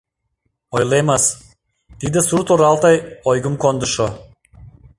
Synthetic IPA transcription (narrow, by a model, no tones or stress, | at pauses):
ojlemas | t̪id̪əsuɾt̪oɾalˠt̪ajɔjɡɨmkɔnd̪ɨʃɔ